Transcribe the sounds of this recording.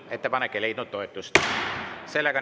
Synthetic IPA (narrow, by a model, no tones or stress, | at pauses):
et̪ːæpɑnekːeleit̪nut̪t̪oet̪ːust̪selːækɑ